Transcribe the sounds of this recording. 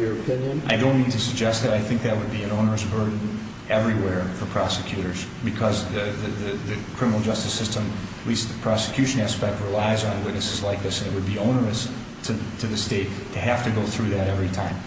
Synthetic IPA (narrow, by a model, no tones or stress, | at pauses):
jə˞ɨpʰɪ̃njɨ̃nʔaɪdõʊ̃nmĩntɨsɨɡ̚d͡ʒɛst̪̚ðɨɾaɪθɪ̃ŋk̚ðɨt̚wɨd̚biɨ̃nõʊ̃nə˞ɨsbɜ˞dⁿn̩ | ʔɛvɹiwɛɹfə˞pʰɹ̥ɑsɨkʰj̥ʉɾə˞z̥ | bɨkʰʌzðɨðɨðɨðɨkʰɹ̥ɪ̃mənl̩ˠd͡ʒʌstɨsɪstə̃mətˡlist̪̚ðɨpʰɹ̥ɑsɨ̥kʰj̥ʉʃɨ̃næspɛk̚t̚ɹilaɪzn̩wɪtⁿnɨsɨzlaɪk̚ðɪsɨ̃nɨt̚wɨd̚biõʊ̃nə˞ɨs | tʰɨtʰɨðɨsteɪtʰɨɦæftɨɡoʊθɹʉðɨɾɛvɹitʰãɪ̃m